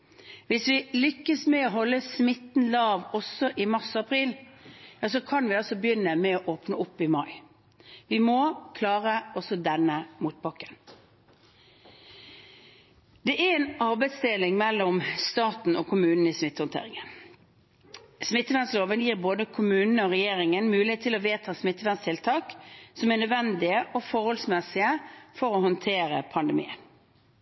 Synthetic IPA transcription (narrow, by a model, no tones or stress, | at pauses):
ʋɪsʋɪlʏkːəsmɛoɦɔlːəsmɪt̪n̩lɑːʋɔsɔʔɪmɑʁsɑpʰɾiːljɑːs̬ɔkʰɑnʋɪɑlsɔbəjʏnːəmɛoʔoːpnəʊpːɪmɑɪ | ʋɪmɔkʰlɑːʁəɔsɔd̪ɛnːəmuːt̪̚bɑkːə̥n | d̪ɛʔæɾɛnɑʁbɛɪst̪ɪlɪŋmɛlːɔmst̪ɑːt̪n̩ɔkʊmʉːnn̩ɪsmɪt̪ːəhʊnt̪ḛːɾɪŋən | smɪt̪ːəʋænsloːʋənjiːʁboːd̪əkʰʊmʉːnnəɔʁɛjeːʁɪŋənmʉːlɪheːt̪ʰːɪlɔʋeːt̪ʰɑːsmɪt̪ːəʋænst̪ʰɪlt̪ʰɑːksɔmɛænœd̪ʋɛnd̪ɪəʔɔfɔɾhɔlsmɛsɪəfɔɾɔhɔnt̪ʰeːɾə̰pʰɑnd̪əmḭːə̰n